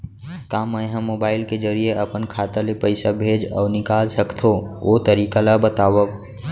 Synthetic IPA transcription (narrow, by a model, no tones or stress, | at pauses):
kamə̃j̃ɦãmːoːbaːɪlked͡ʒəɾijeəpənkʰaːt̪alepəɪsabʱeːd͡ʒɔ̰ːnɪkaːlsəkt̪ʰoʔot̪əɾiːkalabət̪aːʋə